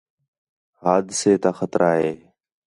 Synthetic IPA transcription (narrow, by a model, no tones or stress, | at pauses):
haːd̪seːt̪aːxət̪ɾʔaːɦeː